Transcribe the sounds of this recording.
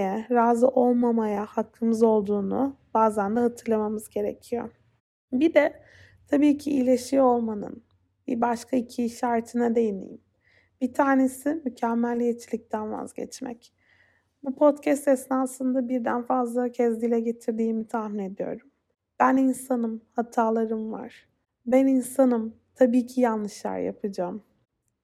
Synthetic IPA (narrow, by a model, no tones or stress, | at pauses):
jɛɾaːzɯʔo̞lˠmamajahakʰːɯmɯzo̞lˠd̪uːnṵb̥aːzænd̪ahat̪ʰɯɾlˠamamɯzɟe̞ɾḛcʰijo̰ | bid̪ɛ | t̪ʰabiːcʰiilʲeʃio̞lˠmanɯ̰n | bḭbaʃkʰaicʰiʃaɾt̪ʰɯnad̪e̞jinḭjim | b̥it̪ʰaːne̞simycʰɛmːælʲjet͡ʃʰilʲic̚t̪ʰænva̰zɟɛ̰t͡ʃmɛ̰c | bupʰo̞t̪cʰɛst̪ɛsnaːsɯnd̪abiɾd̪ænfazlˠacʰɛzd̪ilʲɛɟe̞t̪ʰiɾd̪iːmit̪ʰahmine̞d̪ijo̞̰ɾum | b̥æninsanɯmhat̪ʰaːlˠaɾɯmva̰ɾ̥ | bɛninsanɯm | t̪ʰabiːcʰijanlːˠɯʃlˠa̰ɾja̰pʰɯd͡ʒaːm